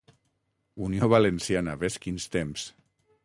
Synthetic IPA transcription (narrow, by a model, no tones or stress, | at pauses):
unioβalensjanaβeskinst̪ems